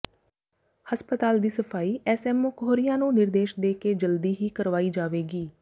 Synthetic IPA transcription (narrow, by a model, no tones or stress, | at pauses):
həspət̪aːld̪iːsəpʰaːiːʔɛːsɛːmokɦoːɾɪjãːnũːnɪɾd̪eːʃd̪eːkeːd͡ʒəld̪iːɦiːkəɾʋaːiːd͡ʒaːʋeːɡiː